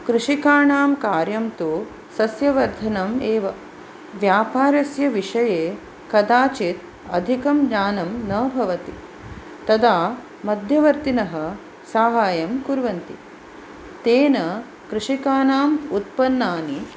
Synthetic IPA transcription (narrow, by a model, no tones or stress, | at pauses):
kɾuʂikaːɳaːmkaːɾjɐmt̪u | sɐsjɐʋɐɾd̪ʱɐnɐmeːʋɐ | ʋjaːpaːɾɐsjɐʋiʂɐjeː | kɐd̪aːt͡ʃit̪ | ɐd̪ʱikɐmd͡ʒaːnɐmnɐːbʱɐʋɐt̪ḭ | t̪ɐd̪aː | mɐd̪ʱjɐʋɐɾt̪inɐɦɐ̆ | saːɦaːjɐmkuɾʋɐnt̪ḭ | t̪eːnɐ | kɾɨʂikaːnaːmut̪̚pɐnːaːni